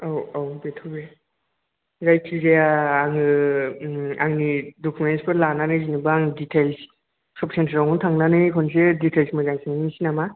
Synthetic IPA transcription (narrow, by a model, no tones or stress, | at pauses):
awawbetʰɔbe | zajkʰizeaːŋɯ | aŋnidɔkʰumensbɯlananɯzinibaŋditʰels | sɔp̚sentʰaɾawŋɔntʰaŋnanɯkʰɔnseditʰelsmazaŋsʰinanisinama